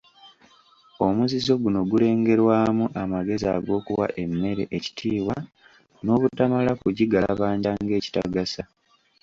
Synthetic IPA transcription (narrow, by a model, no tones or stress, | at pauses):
o̞muzizo̞ɡuno̞ɡule̞ːŋɡe̞ɾwaːmuʔamaɡe̞zia̰ɡo̞ːkuwa̰ʔe̞mːe̞ɾe̞̰ʔeci̥tʰiːwa | no̞ːβutamalakuɟiɡaβaːɲɟaŋɡe̞ːci̥ta̰ɡasa